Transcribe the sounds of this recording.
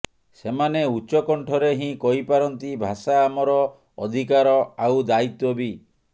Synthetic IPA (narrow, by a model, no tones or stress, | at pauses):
semaneut͡ʃɔkɔɳʈʰɔɾeɦĩkɔɦipaɾɔnt̪ibʱasaːmɔɾɔː | d̪ʱikaɾɔawd̪ait̪wɔbi